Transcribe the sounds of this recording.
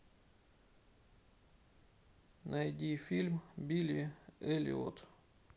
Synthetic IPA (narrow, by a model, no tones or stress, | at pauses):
nɐjdʲifʲilʲmbʲilʲɪɛlʲɪ̰o̰t̪